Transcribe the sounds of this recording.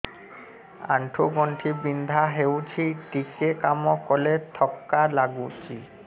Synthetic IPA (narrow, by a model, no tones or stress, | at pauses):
a̰ɳʈʰoɡɔɳʈʰibind̪ʱaɦewt͡ɕʰiʈikekamɔkɔlet̪ʰɔkːalaɡut͡ʃi